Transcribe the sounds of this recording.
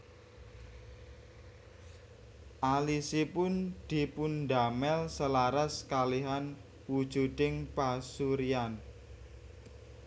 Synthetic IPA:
ʔalisipʊnd̪̥i̤pundamɛlsəlaɾaskaliɦan | wud̥ʒ̥ṳd̪̥ɪŋpasuɾian

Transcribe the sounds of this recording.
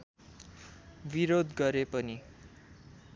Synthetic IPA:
biɾod̪ɡʌɾepʌni

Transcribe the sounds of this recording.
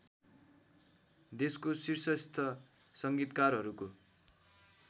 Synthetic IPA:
d̪eskosirsʌst̪ʰʌ | sʌŋɡit̪karɦʌɾuko

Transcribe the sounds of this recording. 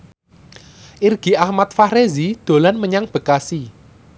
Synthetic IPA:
ʔirɡ̥i̤ahmat̪̚faɾezid̪̥o̤lanməɲaŋb̥ə̤kasi

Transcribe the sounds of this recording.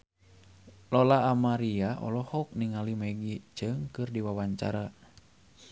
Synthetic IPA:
lɔlaːmaɾiaʔɔ̰lɔhɔk̚niŋalimaɡit͡ʃɨŋkɨrdiwawaɲt͡ʃa̰ɾa

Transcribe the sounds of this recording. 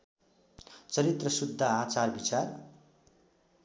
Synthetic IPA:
t͡sʌɾit̪rʌsud̪ʱːaat͡sarbit͡sar

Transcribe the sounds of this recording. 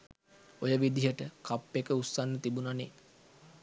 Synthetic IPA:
ojəʋid̪iɦəʈəkʰapːekəusːanːət̪ibunane

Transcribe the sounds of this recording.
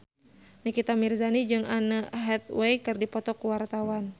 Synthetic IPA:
nikit̪amirzanid͡ʒɨŋanəɦɛt̪̚wɛjkɨrdipɔt̪ɔkuwart̪awan

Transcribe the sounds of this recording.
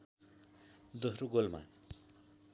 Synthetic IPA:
d̪osɾoɡolma̰

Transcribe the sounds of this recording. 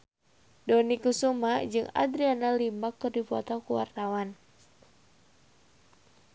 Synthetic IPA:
dɔnikusumad͡ʒɨŋa̰d̪ɾianalimakːɨrdipɔt̪ɔkuwa̰rt̪awan

